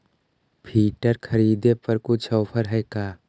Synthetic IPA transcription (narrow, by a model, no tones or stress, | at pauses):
pʰiːʈəɾkʰɐɾiːd̪epəɾkʊt͡ʃʰɔːpʰəɾɦɛːkaː